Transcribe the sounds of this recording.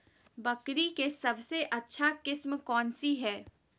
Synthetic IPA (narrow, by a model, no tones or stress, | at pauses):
bɐkɾikesɐbseʔɐtːʃʰakɪsmkɔːnsiɦɛː